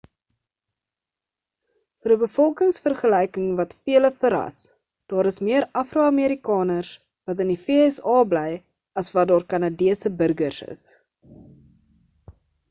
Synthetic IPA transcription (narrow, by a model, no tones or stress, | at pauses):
fəɾəbəfɔlˠkəŋsfərχəlɛjkəŋvɐtfiələfəɾɐ̰s | d̥ɑːɾəsmiəɾɐfruɐmiəɾikɑːnərs | vɐtəndifeːɛsɑːblɛj | ɐsvɐdɑːrkɐnɑdiəsəbərɡərsə̰s